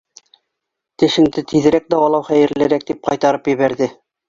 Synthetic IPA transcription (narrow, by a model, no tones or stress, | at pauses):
t̪ɘ̆ʃɘ̆ŋd̪ɘt̪ʰið̆ɾæk̚d̪ɑwɑlˠɑwχæjɘ̆ɾlæɾæk̚d̪ip̚qɑjt̪ɑɾɤpjɘ̆βæɾðɘ